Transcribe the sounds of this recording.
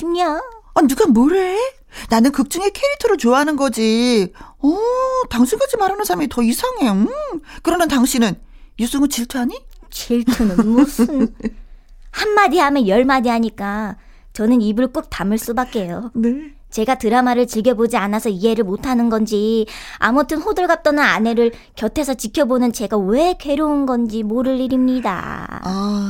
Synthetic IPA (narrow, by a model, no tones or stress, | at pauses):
imɲaaduɡamʌɾe̞ | nanɯnkɯk̚t͡ɕ͈ɯŋekʰe̞ɾitʰɯɾot͡ɕoaɦanɯnɡʌd͡ʑi | ʌtaŋɕʰinɡad͡ʑimaɾanɯnsʰaɾmitʌisʰaŋeɯkɯɾʌmentaŋɕʰinɯnjus͈ɯŋɯt͡ɕiɭtʰuaɲi | t͡ɕiɭtʰunɯmosɯn | hanmadiɦamjʌnjʌɭmadiɦaɲik͈a | t͡ɕʌnɯnibɯɭk͈uk̚t͈amɯɭs͈ubak͈e̞jone | t͡ɕe̞ɡatɯɾamaɾɯɭt͡ɕiɭɡjʌbod͡ʑianasʰʌie̞ɾɯɭmotʰanɯnɡʌnd͡ʑia̰mʌtʰɯnɸodɯɭɡap̚t͈ʌnɯna̰ne̞ɾɯɭ | kjʌtʰe̞sʰʌt͡ɕikʰjʌbonɯnt͡ɕe̞ɡawe̞ke̞ɾounɡʌnd͡ʑimoɾɯʎːiɾimɲida̰